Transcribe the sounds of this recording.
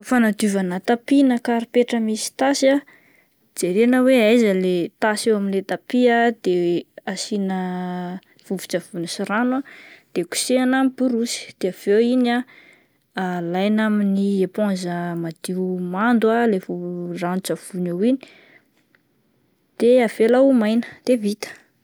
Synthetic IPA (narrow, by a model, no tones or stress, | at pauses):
fanad̪uvanət̪apinakaɾipeʈ͡ʂəmisi̥t̪asa | d͡zeɾenəweajzəlet̪asewaminlet̪apiad̪̥easinə | v̥uvi̥t͡ʃav̥unisiɾanwad̪̥eku̥seanamipuɾusi̥d̪̥eav̥ewina | alajnaminiepõnzəmad̪̥iumand̪ualevuranut͡ʃav̥unewini̥ | d̪̥eavelaumajnə̥d̪̥evit̪ə̥